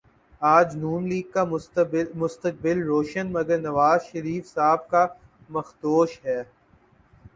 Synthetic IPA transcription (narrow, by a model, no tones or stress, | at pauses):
aːd͡ʒnuːmliːɡ̚ka | mʊst̪ək̚bɪlɾoːʃənmɐɡəɾnɐʋaːzʃəɾiːfsaːb̚ka | mɐxt̪oːʃɦɛː